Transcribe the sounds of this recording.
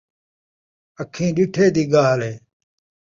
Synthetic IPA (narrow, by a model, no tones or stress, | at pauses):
əkʰːĩːɗɪʈʰeːd̪iːɡaːleː